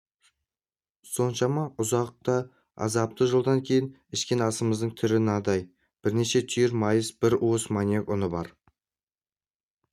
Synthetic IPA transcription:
so̞nʃɑmɑʔʊzɑq̚t̪ɑ | ɑ̰zɑp̚t̪əʒəlˠd̪ɑŋkʲʰe̞jɪn | ɪʃkʲenɑsəməzd̪əɴt̪ʰʏɾɪnɑd̪ɑj | b̥ɪɾne̞ʃe̞t̪ʰʏjɪɾmɑjəsb̥ɪɾwosmɑnjekʊnəbɑɾ

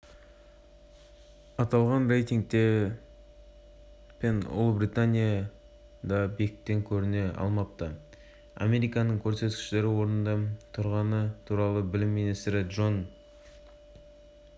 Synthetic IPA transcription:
ɑt̪ɑlˠʁɑnre̞jt̪iŋɡ̚t̪e̞ | pʰenʊ̰lˠbɾijt̪anʲija | d̪ɑbekʲɪk̚t̪ːe̞ŋkʲʰɵɾɪne̞ɑ̰lˠmɑp̚t̪ɑ | a̰me̞ɾijkɑnəɴkʲʰɵɾse̞t̪kʲɪ̥ʃɪle̞ɾɪwo̞ɾnənd̪ɑt̪ʰʊɾʁɑnət̪ʰuɾɑlˠəbɪlɪmːinijst̪ɾɪd̪ʒo̞n

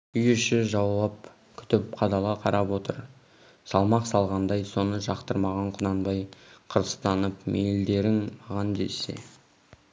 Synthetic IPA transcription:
ʏjʏʃɪʒɑwːɑp̚ | kʲʰʏ̥t̪ɪp̚qʰɑd̪ɑlˠɑqʰɑɾɑpwo̞t̪əɾ | sɑlˠmɑqsɑlˠʁɑnd̪ɑjso̞nəʒɑqt̪əɾmɑʁɑɴqʰʊnɑnbɑjqʰəɾə̥st̪ɑnəpmʔejld̪e̞ɾɪŋmɑʁɑnd̪ḛse̞̰

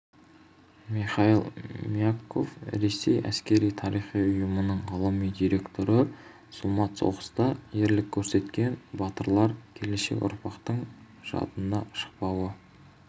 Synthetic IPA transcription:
miχɑilˠmjakʰːo̞̰fɾe̞se̞̰jæ̰skʲe̞ɾijt̪ʰɑɾijχijʊjəmənəɴʁɑlˠɑmijd̪ijɾe̞kt̪o̞ɾəmʊsʊlˠmɑt̪so̞̰ʁəst̪ɑjeɾlɪkʲʰːɵɾse̞t̪kʲe̞nbɑt̪əɾlˠɑɾkʲʰe̞le̞ʃe̞̰kʊ̰ɾpʰɑqt̪əɴ | ʒ̥ɑ̰t̪ənd̪ɑʃə̥q̚pɑwə

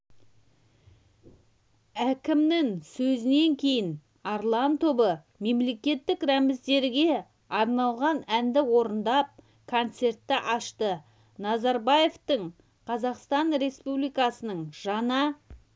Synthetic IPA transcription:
ækʲɪmnɪŋsɵzɪne̞ŋkʲʰe̞jɪn | ɑɾlˠɑnt̪ʰo̞bə | me̞mle̞kʲe̞t̪ːɪkɾæmɪzd̪e̞ɾɡʲe̞ | ɑɾnɑlˠʁɑnænd̪ɪwo̞ɾənd̪ɑp̚ | kʰo̞nt̪se̞rt̪ːɪʔɑʃt̪ə | nɑzɑɾbɑje̞ft̪əɴ | qʰɑzɑqst̪ɑnɾe̞spublˠijkɑsənəɴʒ̥ɑnɑ

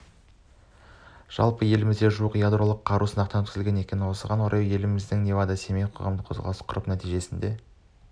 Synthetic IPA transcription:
ʒ̥ɑ̰lˠpəje̞lɪmɪzd̪e̞ʒuəqjad̪ro̞lˠəqʰːɑɾʔusənɑq̚t̪ɑnt̪ʰɪzlɡʲe̞ne̞kʲenɪnwo̞səʁɑnwo̞ɾɑjje̞lɪmɪzd̪ɪŋnʲevad̪ɑse̞mejqʰo̞̰ʁɑ̰md̪əqʰo̞zʁɑ̰lˠəsqʰʊɾəpnæt̪ijʒe̞sɪnd̪e̞

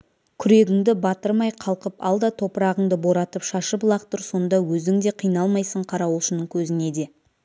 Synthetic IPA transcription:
kʲʰʏɾe̞ɡʲɪŋd̪ɪbɑt̪əɾmɑjqʰɑlˠqəpɑ̰lˠd̪ɑt̪ʰo̞pəɾɑʁəɴd̪əbo̞ɾɑt̪əpʃɑʃəplˠɑqt̪ʊɾso̞nd̪ɑwɵzɪŋd̪e̞qʰijnɑlˠmɑjsəɴqʰɑɾɑwʊʃənəŋkʲʰɵzɪne̞d̪e̞

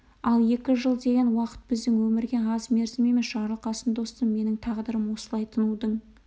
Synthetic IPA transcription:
ɑlˠje̞kʲɪʒəlˠd̪e̞ɡʲenwɑqə̥t̪̚bɪzd̪ɪŋwɵmɪɾɡʲe̞ɑzme̞ɾzɪme̞mesʒɑɾlˠqɑsənd̪o̞st̪əmme̞nɪŋt̪ʰɑʁd̪əɾəmwo̞səlˠɑjt̪ʰənud̪əɴ

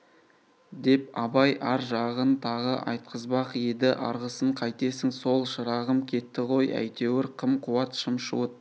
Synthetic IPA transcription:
d̪e̞p̚ɑbɑjʔɑɾʒɑʁənt̪ʰɑʁəʔɑ̰jt̪̚qʰəzbɑqjed̪ɪʔɑ̰ɾʁəsəɴqʰɑjt̪e̞sɪŋso̞lˠʃəɾɑʁəmkʲʰe̞t̪ːɪqʰo̞jæ̰jt̪e̞wɪɾqʰəmqʰʊwɑt̪ʃəmʃṵət̪

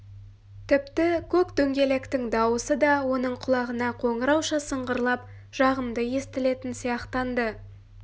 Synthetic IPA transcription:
t̪ʰɪpt̪ɪkʲʰɵkt̪ɵŋɡʲe̞le̞kt̪ɪŋd̪ɑwəsəd̪ɑwo̞nəɴqʰʊlˠɑʁənɑqʰo̞ɴəɾɑwʃɑsəɴʁəɾlˠɑp̚ | ʒ̥ɑʁəmd̪əje̞st̪ɪle̞t̪ɪnsijɑqt̪ɑnd̪ə

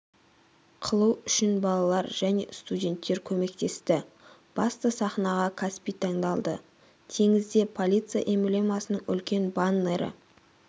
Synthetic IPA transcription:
qʰəlˠuwʏʃɪnbɑlˠɑlˠɑɾʒæne̞̰st̪udʲe̞nt̪ːe̞ɾkʲʰɵme̞k̚t̪e̞st̪ɪ | b̥ɑst̪əsɑχnɑʁɑkʰɑspijt̪ʰɑɴd̪ɑlˠd̪ə̰ | t̪ʰe̞ŋɪzd̪e̞pʰolʲit̪sɨja̰ʔemblʲemɑsənəɴʏ̰lkʲe̞nbanːeɾɪ̰

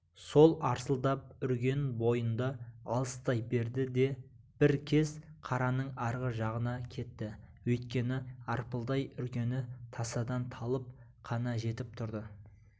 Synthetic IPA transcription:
so̞lˠɑɾsəlˠd̪ɑp̚ʏɾkʲe̞nbo̞jənd̪ɑɑ̰lˠəst̪ɑjbe̞ɾd̪ɪd̪e̞ | b̥ɪɾkʲʰe̞zqʰɑɾɑnəɴɑɾʁəʒɑʁənɑkʲʰe̞t̪ːɪ | wɵjt̪̚kʲe̞nɪɑɾpəlˠd̪ɑjʏɾkʲe̞nɪt̪ʰɑsɑd̪ɑnt̪ʰɑlˠəp̚ | qʰɑnɑʒe̞t̪ɪp̚t̪ʰʊɾd̪ə

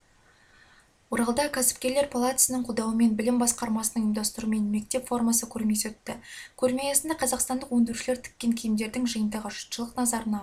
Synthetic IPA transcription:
woɾɑlˠd̪ɑkʲʰæsɪ̥p̚kʲe̞ɾle̞ɾpʰolˠat̪sənəɴqʰʊd̪ɑwəme̞nbɪlɪmbɑsqɑɾmɑsənəŋɪmd̪ɑst̪əɾuəme̞nme̞k̚t̪e̞pfo̞rmɑsəkʲʰɵɾme̞sɵt̪ːɪkʲʰɵɾmejɑsɪnd̪ɑqʰɑzɑqst̪ɑnd̪əqwɵnd̪ɪɾuʃɪle̞ɾt̪ʰɪ̥kʲːe̞ŋkʲʰejɪmd̪e̞ɾd̪ɪŋʒəjənd̪ɑʁəʒʊ̥t̪ʃəlˠəqnɑzɑɾənɑ

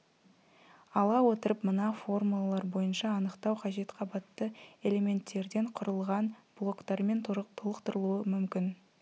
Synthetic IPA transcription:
ɑlˠɑwo̞t̪əɾəpmənɑfo̞rmulˠalˠɑɾbo̞jənʃɑːnəqt̪ɑwqʰɑʒe̞t̪qʰɑbɑt̪ːəe̞le̞me̞nt̪ːe̞ɾd̪e̞ɴqʰʊɾəlˠʁɑnb̥lˠo̞kt̪ɑɾme̞nt̪ʰt̪ʰolˠəqt̪əɾəlˠuəmʏmkʲɪn

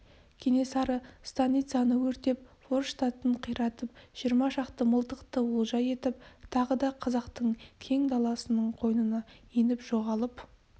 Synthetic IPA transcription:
kʲʰe̞ne̞sɑɾəst̪anʲit̪sɨjanəwɵɾt̪e̞p̚foɾʃt̪ɑt̪əɴqʰijɾɑt̪əpʒ̥ijəɾmɑʒɑqt̪əməlˠt̪əqt̪əwʊlˠʒɑje̞t̪ɪpt̪ʰɑʁəd̪ɑqʰɑzɑqt̪əɴkʲʰe̞ŋd̪ɑlˠɑsənəɴqʰo̞jnənɑjenɪpʒ̥o̞ʁɑlˠəp

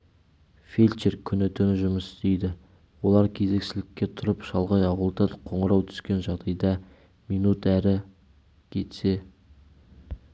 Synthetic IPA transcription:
felʲt͡ʃeɾkʲʰʏnɪt̪ʰʏnɪʒʊməst̪e̞jd̪ɪ | wo̞lˠɑɾkʲʰe̞ze̞ksɪlɪkʲːe̞t̪ʰʊɾəpʃɑlˠʁɑjɑwəlˠd̪ɑqʰo̞ɴəɾɑwt̪ʰʏ̥skʲe̞nʒɑʁd̪ɑjd̪ɑ | mijnut̪æɾɪ | kʲʰe̞t̪se̞

